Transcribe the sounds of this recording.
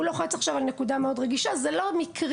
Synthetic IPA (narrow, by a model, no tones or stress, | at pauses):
uloχet͡saχʃavalnekudameo̞dʁeɡiʃazelo̞mikʁ